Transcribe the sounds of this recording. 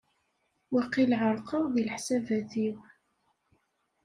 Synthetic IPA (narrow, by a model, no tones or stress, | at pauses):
wɑqilʕəɾˤqəʁðilħsævæθiw